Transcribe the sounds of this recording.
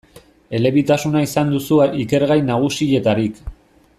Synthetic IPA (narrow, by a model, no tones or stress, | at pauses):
e̞le̞βit̪asunaisand̪usuike̞ɾɣajnaɣ̞usie̞t̪aɾik